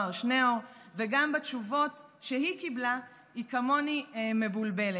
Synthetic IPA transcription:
aʁʃneoʁveɡambat͡ʃuvo̞tʃehikibla | ikamo̞nime̞bulbe̞le

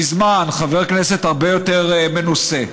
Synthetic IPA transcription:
izmanχave̞ʁknese̞t̪haʁbe̞jo̞teʁme̞nuse

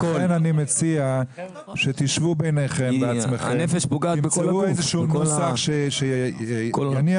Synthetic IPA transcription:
enanimet͡sia | ʃet̪iʃvubejneχembeat͡smeχenefeʃbuɡaimt͡seuezeʃuːusaχʃeʃe | ani

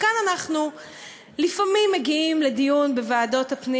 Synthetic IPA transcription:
kananaχnu | lifamimːeɡiimle̞dijunbevaːdo̞thapni

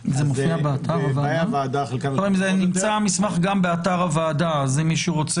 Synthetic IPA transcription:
zemofiabeatʰaʁavaːdavaːd̪aχelkavimzenimt͡samismaχɡambeataʁavaːdazemːiʃuʁot͡se

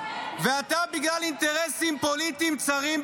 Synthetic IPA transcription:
veat̪abiɡlalint̪e̞ʁesimpolit̪imt͡saʁim

